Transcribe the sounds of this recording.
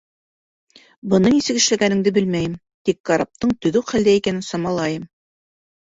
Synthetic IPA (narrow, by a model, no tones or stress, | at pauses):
bɤ̆nɤnisɘ̆kɘ̆ʃlæɡænɘ̆ŋd̪ɘbɘlmæjɘm | t̪ikːɑɾap̚t̪ɤɴt̪ɵ̆ðɵwχæld̪æikænɘnsɑmɑlˠɑjɤm